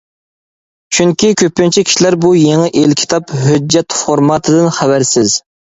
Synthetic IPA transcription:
t͡ʃʰyŋkʲʰikʲʰøpːɪnt͡ʃʰikʲʰi̥ʃilæɾbujeŋɨʔelkʲʰi̥t̪ʰɑpɦød͡ʒːɛt̪foɾmɑt̪ʰɨd̪ɨnχævæɾsɪz

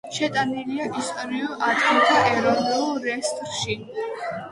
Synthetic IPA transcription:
ʃɛt̪ʼaniliaʔist̪ʼɔɾiuʔad̪ɡint̪ʰaʔɛɾɔvnulˠɾɛst̪ʼɾʃi

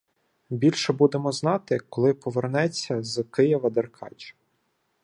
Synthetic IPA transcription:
bʲilʲʃɛbud̪emɔznɑt̪ɪkɔlˠɪpɔʋernɛt͡sʲːɐzkɪjɪʋɐd̪erkʰɑ̰t͡ʃɐ̥

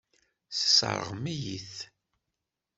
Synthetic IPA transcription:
θə̥sə̰ɾˤə̰ʁmijiθ

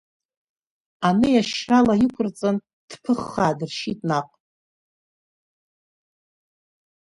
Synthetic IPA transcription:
anɨjaʃralajikʷʰʊrt͡sʼan | d̥pʰɨχːaːdɨrʃitʼnaqʼ

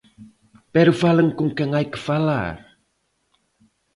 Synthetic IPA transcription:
pɛɾufaləŋkumkaŋajkə̥fala̰r

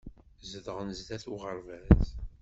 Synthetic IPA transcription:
zəðəʁənəzd̪æθuʁəɾˤvæz

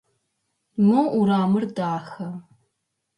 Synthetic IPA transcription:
mɐʔuɾaːmɨrdaːxɐ

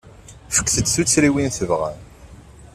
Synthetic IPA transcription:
fə̥kːθəd̪θut͡sːɾiwinθəvʁæ̰n

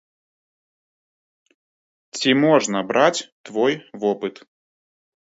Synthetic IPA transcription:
t͡sʲimɔʐnəbɾat͡sʲt̪vɔjvɔpɨt̪

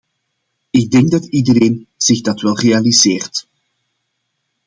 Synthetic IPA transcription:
ɪɡ̚dɛŋɡ̚dɑtidəreːnz̥ɪɣdɑtʋɛlˠrealizeːrt

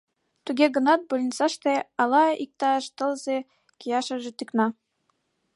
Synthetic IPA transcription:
t̪uɡʲeɡɤ̆nɑt̪̚bolʲnʲisɑʃt̪eɑlˠɑik̚t̪ɑʃt̪ɤ̆lˠzʲe | kʲijɑʃɤ̆ʒĕt̪ɯknɑ

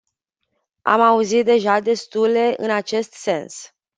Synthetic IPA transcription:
a̰mauzit̪̚d̪e̞ʒad̪e̞st̪ule̞ʔɨnat͡ʃe̞st̪se̞ns

